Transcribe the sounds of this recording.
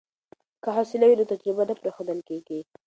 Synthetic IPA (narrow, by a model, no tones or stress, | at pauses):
kəɦɑsɪlawinot̪ad͡ʒɾibanapɾaxod̪əlkeɡi